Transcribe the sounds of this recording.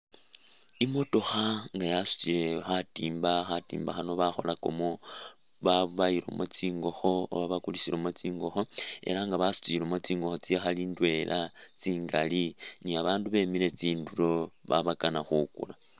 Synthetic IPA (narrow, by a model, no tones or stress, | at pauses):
imo̞to̞xaŋɡajasu̥t͡siɾe̞xatiːmbaxatḭːmbaxano̞βaxo̞lako̞̰mo | βaβaiɾo̞̰mot͡siːŋɡo̞xo̞o̰βaβakulisiɾomot͡siːŋɡo̞xo̞e̞̰laŋɡaβasu̥t͡siɾomot͡siːŋɡoxo̞t͡sixaliːndwe̞lʔat͡siːŋɡaliniaβaːnduβe̞miɾe̞t͡siːnduro̞βa̰βakanaxukṵla